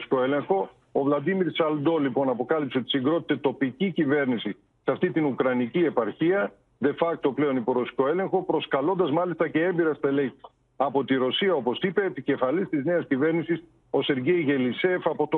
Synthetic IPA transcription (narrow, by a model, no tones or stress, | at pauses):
si̥ko̞e̞le̞ŋxo̞ː | vlɐd̪imiɾsɐld̪o̞lipo̞nɐpo̞kɐlipseo̞t̪i̥siŋɡɾo̞t̪i̥t̪e̞t̪o̞picicive̞ɾnisi | sɐft̪it̪inukɾɐnicie̞pɐɾçiɐ | ðe̞fɐk̚t̪o̞ple̞o̞nipo̞ɾosi̥ko̞e̞le̞ŋxo̞pɾo̞skɐlo̞nd̪ɐzmɐlist̪ɐce̞embiɾɐst̪ɐele | ɐpo̞t̪iɾo̞siɐo̞po̞sipet̪ice̞fɐlist̪izne̞ɐscive̞ɾnisis | o̞se̞ɾʝe̞jʝe̞lise̞fɐpo̞t̪o